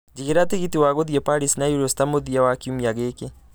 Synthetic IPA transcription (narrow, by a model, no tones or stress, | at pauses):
d͡ʒiɣeɾateɣitiwaɣoðiɛpaɾisnajuɾɔstamoðiawakiumiaɣeke